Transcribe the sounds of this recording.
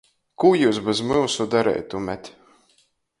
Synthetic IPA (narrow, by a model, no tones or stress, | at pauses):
kuːjuːsbezmɨwsud̪aɾɛ̰jt̪ːumʲɛt̪ʲ